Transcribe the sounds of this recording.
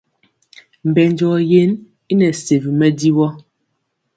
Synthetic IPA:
m̩˨bɛ˨nd͡ʒɔ˨je˦n | i˦nɛ˨se˨vi˨mɛ˦di˦wɔ˦

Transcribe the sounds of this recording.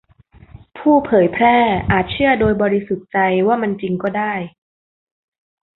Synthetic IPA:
pʰuː˥˩pʰɤː˨˩˦jpʰɾɛː˥˩ʔaː˨˩t̪̚t͡ɕʰɯ˥˩ɐdoː˧jbɔː˧ɾi˧su˨˩t̪̚t͡ɕa˧jwaː˥˩ma˧nt͡ɕi˧ŋkɔː˥˩daː˥˩j

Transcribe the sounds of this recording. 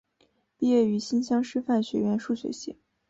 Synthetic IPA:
pi˥˧jɛ˥˩y˧˥ɕi˥nɕjɑ˥ŋʂɻ̩˥fa˥˩nɕɥɛ˧˥ɥɛ˧˥nʂu˥˩ɕɥɛ̰˧˥ɕḭ˧˥˩ŋ

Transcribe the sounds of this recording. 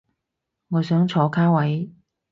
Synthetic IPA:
ŋɔː˨˧sœː˨˥ŋt͡ʃʰɔː˨˥kʰaː˥wɐ˨˥j

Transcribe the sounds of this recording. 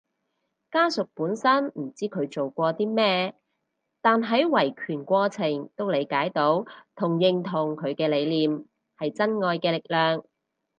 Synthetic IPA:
kaː˥sʊ˨k̚puː˨˥nsɐ˥nm̩˨˩t͡siː˥kʰɵ˨˧ɥt͡so˨wkʷɔː˧t̪iː˥mɛː˥ | t̪aː˨nɦɐ˨˥jwɐ˨˩jkʰyː˨˩nkʷɔː˧t͡sʰɪ˨˩ŋt̪o˥wle˨˧jkaː˨˥jt̪o˨˥wt̪ʰʊ˨˩ŋjɪ˨ŋt̪ʰʊ˨˩ŋkʰɵ˨˧ɥkɛː˧le˨˧jliː˨m | hɐ˨jt͡sɐ˥nŋɔː˧jkɛː˧lɪ˨k̚lœː˨ŋ

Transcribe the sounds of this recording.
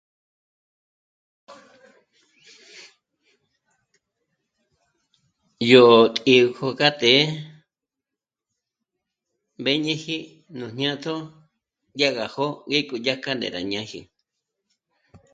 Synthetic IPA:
jo˨ʔo˨t̪ʼi˧u˧ko˧ka˦t̪e˨˦ | be˦ɲẽ˦hi˦ | nũ˨ɲ̥ɲã˦t̪ʰo˦ | ja˦ɣa˨ho˦ɡe˦˧ku˧ja˦ka˦nd̪ḛ˨ɾa̰˨ɲã˦hḭ˧˨

